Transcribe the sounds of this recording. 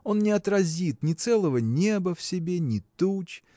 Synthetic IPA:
o̞nnʲɪɐt̪rɐzʲit̪nʲɪt̪sɛlˠəvənʲe̞bəfsʲɪbʲenʲɪt̪ut͡ɕ

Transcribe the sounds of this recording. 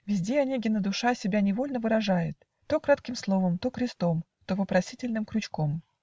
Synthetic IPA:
vʲɪzʲdʲeɐnʲiɡʲɪnəd̪ʊʂasʲɪbʲanʲɪvo̞lʲnəvɨɾɐʐajɪt̪ːo̞kɾat̪kʲɪmslˠo̞vəmt̪o̞kɾʲɪst̪o̞m | t̪ovəpɾɐsʲitʲɪlʲnɨmkɾʲʊt͡ɕko̞m

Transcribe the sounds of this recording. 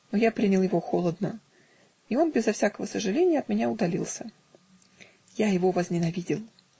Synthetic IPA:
nojapɾʲinʲɪlˠjɪvo̞xolˠəd̪nə | io̞nbʲɪzɐfsʲakəvəsəʐɨlʲenʲɪjəɐt̪mʲɪnʲaʊd̪ɐlʲilˠsʲə | jajɪvovəzʲnʲɪnɐvʲidʲɪlˠ

